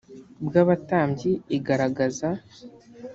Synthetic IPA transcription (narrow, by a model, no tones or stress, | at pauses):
bɡaːβataːmɟiiɡaɾaɡaza